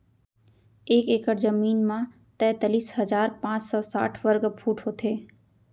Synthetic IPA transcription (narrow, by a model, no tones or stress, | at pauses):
eːkeːkəɾzəmiːnmã | t̪ɛ̃t̪əliːshəd͡ʒaːɾpãːt͡ʃsɔːsa̰ːʈʰʋəɾɡpʰuːʈɦoːt̪ʰeː